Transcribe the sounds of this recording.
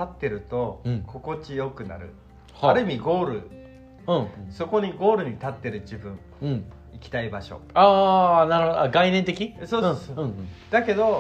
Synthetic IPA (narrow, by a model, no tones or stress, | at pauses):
t̪at̪ːe̞ɾɯ̟t̪o̞ko̞ko̞t͡ɕijo̞kɯ̟na̰ɾɯ̟̰ | haɾɯ̟mʲiɡo̞ːɾɯ̟̰ | ɯ̃so̞ko̞ɲ̟iɡo̞ːɾɯ̟ɲ̟it̪at̪ːe̞ɾɯ̟d͡ʑibɯ̟̃ɴ | ikʲi̥t̪aibaɕo̞̰aːnaɾɯhod̪oaɡainẽnt̪e̞kʲiso̞ːooɯ̃d̪̥ake̞d̪o̞